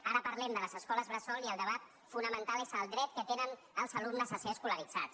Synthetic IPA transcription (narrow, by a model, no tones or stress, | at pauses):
aɾəpəɾlɛmd̪ələzəskɔləzβɾəsɔlˠiəlˠd̪əβat̪̚ | funəmənt̪alezəlˠd̪ɾɛt̪kət̪enən | əlˠzəlumnəzaseəskuləɾid͡za̰t̪